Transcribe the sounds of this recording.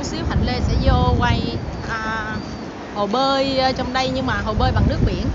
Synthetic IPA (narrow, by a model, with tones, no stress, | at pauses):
si˦əw̚ha̰˧˩ŋle˧˩sɛ̰˧˥zo˧kwa˧jʔəː˨˩ | ho˨˩ɓəː˧jt͡ɕɔ˧wŋ͡mɗə˧jɲɨ˧ŋmaː˨˩ɦo˨˩ɓəː˧jɓa̰˨˩ŋnɨ˦˥ək̚ɓḭ˧˩ən